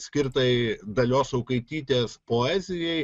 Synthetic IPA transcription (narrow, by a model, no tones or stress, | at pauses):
sʲkʲɪɾt̪ɐɪd̪ɐlʲoːsɐʊkɐɪt̪ʲiːt̪ʲeːspoːæːzʲɪjɛɪ